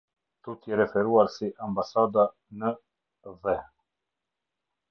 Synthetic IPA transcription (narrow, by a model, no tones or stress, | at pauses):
t̪ut̪iɾɛfɛɾuaɾsiʔambasad̪a | nə | ðɛ